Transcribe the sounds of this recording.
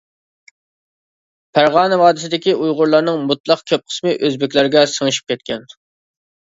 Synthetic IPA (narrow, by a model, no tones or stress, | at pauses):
pʰæɾʁɑːnɨvɑːd̪ɪsɪd̪ɪkʲiujʁʊɾlˠɑɾnɨŋmut̪lˠɑqkʲʰøp̚qʰə̥smɨʔøzbɪkʲlæɾɡʲɛsəŋɨʃi̥p̚kʲʰɛt̪̚kʲʰɛn